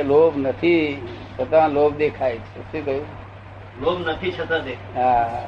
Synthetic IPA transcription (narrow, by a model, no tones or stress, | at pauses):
lobnət̪ʰisət̪ãlobd̪ekʰajt͡ʃʰesikəju | lobnət̪ʰit͡ʃʰət̪ãd̪ekʰɦã